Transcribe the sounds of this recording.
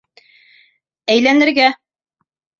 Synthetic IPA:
æjlænɘ̆ɾɡæ

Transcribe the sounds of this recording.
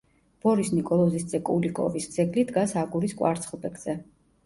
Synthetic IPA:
b̥ɔɾisnikʼɔlˠɔzisd̪zɛkʼṵlikʼɔ̰visd̪z̥ɛɡlid̪ɡasaɡuɾiskʼwa̰ɾt̪sʰχlˠbɛɡz̥ɛ

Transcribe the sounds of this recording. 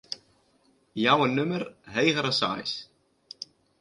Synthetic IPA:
jaːwɛnːʏmʏɾheːjɣaɾasa̰ːj̰s

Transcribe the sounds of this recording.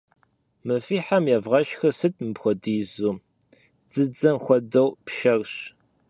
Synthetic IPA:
mɨfiːħamjɛvʁɐʃxɐsɨt̚ʰʼmɨpxʷɔdiːzuː | d͡z̥ɨd͡zɐmxʷɔdɐwpʃɐrɕ

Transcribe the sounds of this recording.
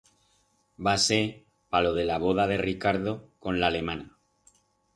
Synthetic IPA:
base | palo̞ð̞e̞laβ̞o̞ð̞aðe̞rikaɾðo̞ko̞nlale̞mãna

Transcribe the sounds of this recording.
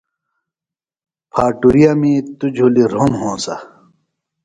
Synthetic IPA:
pʰaːʈuɾijamĩːt̪ud͡ʑʱuliɾonɦõːsɐ̰

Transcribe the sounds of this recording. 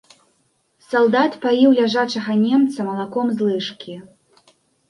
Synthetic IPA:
salˠd̪at̪pajiwlʲaʐat͡ʂɐɣɐnʲɛmt̪sɐmɐlˠakɔmzlˠɨʂkʲi

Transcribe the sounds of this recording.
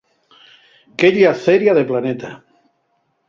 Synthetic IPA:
keʎiaθeɾjaðeplanet̪a

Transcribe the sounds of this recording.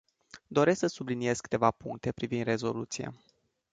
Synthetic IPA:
d̪o̞ɾe̞sksəsublinije̞skɨ̥t̪e̞vapuŋk̚t̪e̞pɾivind̪re̞zo̞lut̪sijḛ

